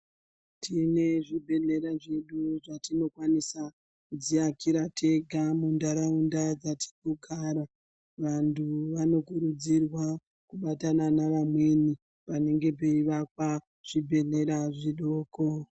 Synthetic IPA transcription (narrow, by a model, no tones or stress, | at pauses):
tʰine̞ʐibʱe̞ɮe̞ɾaʐe̞ɗuʐatino̞kwanisa | kud͡ziakiɾatʰe̞ɡʱamundaɾaundad͡zati̥koɡʱaːɾa | ʋantʰuʋano̞kuɾud͡zirwa | kuɓatananaʋamwe̞ni | pane̞ŋɡe̞p̬e̞iʋakwa | ʐ̥ibʱe̞ɮe̞ɾaʐiɗoːko̞